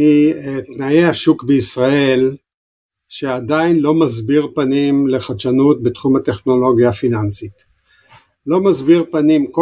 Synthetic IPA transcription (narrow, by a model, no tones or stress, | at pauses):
it̪najehaʃukbeisʁae̞l | ʃe̞ad̪ainlo̞mazbiʁpanimle̞χaʃanut̚bet̪χumat̪e̞χno̞lo̞ɡjafinansit̪ | lo̞mazbiʁpanimko